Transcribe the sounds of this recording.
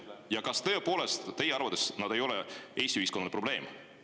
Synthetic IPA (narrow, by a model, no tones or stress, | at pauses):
jɑkɑst̪ɤ̞epo̞ːle̞st̪t̪e̞jeɑɾrvɑt̪ːˑesnɑd̪̥e̞jo̞lɛe̞ːst̪iyiskonɑd̪epro̞b̥le̞ːm